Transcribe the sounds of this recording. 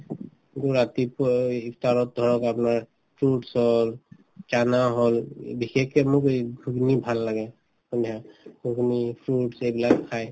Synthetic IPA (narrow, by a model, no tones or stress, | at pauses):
ɡuɹat̪ipikʰt̪aɹɔt̪̚d̪ʱɔɹɔkapnaɹ | pʰɹuʈsɔl | t͡ʃanaɦɔlbixɛkɛmʊkɡʱuɡnibʱalːaɡɛ | kɔnjaɡʱuɡnipʰɹuʈsejbilakkʰaj